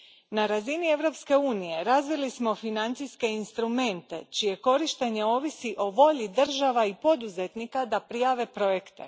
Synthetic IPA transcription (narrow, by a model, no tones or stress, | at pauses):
naɾazinie̞ʋɾo̞pske̞uːnije̞ɾazʋilismo̞finant̪siske̞inst̪ɾume̞nt̪e̞̰t͡ʃije̞ko̞ɾiʃt̪e̞ɲe̞o̞ːʋisiʔo̞ʋo̞ʎid̪r̩ʒaʋaipo̞d̪uze̞t̪nikad̪apɾijaːʋe̞pɾo̞je̞kt̪ḛ